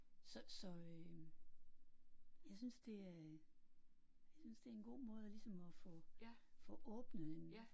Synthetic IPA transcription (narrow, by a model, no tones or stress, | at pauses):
sɒ̽sɒ̽ø | jɑ̈ɪsynsd̥e̝æɐ | jjɑsynsd̥e̝æɐenɡ̥o̝̰ːmɔ̽ːð̞ˠlisɒ̽mɒ̽fɔ̽fɔ̽ʔɔːb̥nəem